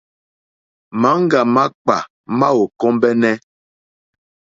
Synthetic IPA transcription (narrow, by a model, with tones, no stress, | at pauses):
ma˨˦ŋ̩˦ɡa˨ma˦k͡pa˨ | ma˦o˨kɔ˦mbɛ˦nɛ˦